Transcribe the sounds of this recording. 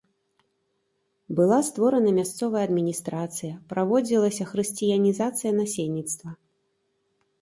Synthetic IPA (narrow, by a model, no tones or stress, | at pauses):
bɨlˠast̪vɔɾɐnɐmʲast̪sɔvɐjɐːd̪mʲinʲist̪ɾat̪sɨjɐpɾavɔd͡zʲilˠɐsʲɐxɾɨsʲt͡sʲijɐnʲizat̪sɨjɐnasʲelʲnʲit̪st̪vɐ